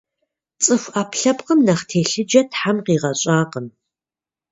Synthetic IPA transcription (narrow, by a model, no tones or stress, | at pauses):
t͡sʼɨfʷaːpʰɬɐpqəmnɐχtʰeːɬɨd͡ʒɐtħamqiːʁɐɕʼaːqəm